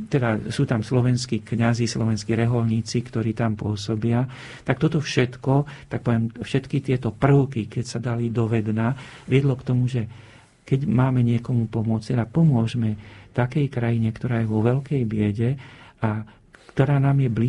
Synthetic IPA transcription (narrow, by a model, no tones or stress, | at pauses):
t̪ɛd̪asuːt̪amslɔʋɛnskikɲazislɔʋɛnskiɾɛɦɔlɲiːt͡sikt̪ɔɾiːt̪ampʊɔsɔbɪa | t̪ak̚t̪ɔt̪ɔfʃɛt̪kɔt̪ak̚pɔʋjɛmfʃɛt̪kit̪ɪɛt̪ɔpr̩ʊkikɛcsad̪alid̪ɔʋɛd̪naʋɪɛd̪lɔkt̪ɔmuʒɛ | kɛɟmaːmɛɲɪɛkɔmupɔmʊɔt͡st̪ɛd̪apɔmʊɔʒmɛt̪akɛjkɾajiɲɛkt̪ɔɾaːjɛʋɔʋɛlkɛjbɪɛɟɛa | kt̪ɔɾaːnaːmjɛbli